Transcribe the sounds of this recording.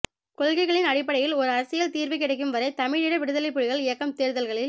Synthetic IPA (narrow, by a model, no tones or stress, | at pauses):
kɔɭɣɐɪɣɐɭɪnɐɽɪpːɐɽɐjɪlɔɾɯɐɾɐsɪjɐlt̪iːɾʋɐɪkːɪɽɐɪk̬ːɯmʋɐɾɐɪt̪ɐmɪɻɪɽɐʋɪɽɯðɐlɐɪpːɯɻɪɣɐɭɪjɐkːɐmt̪eːɾðɐlɣɐɭɪl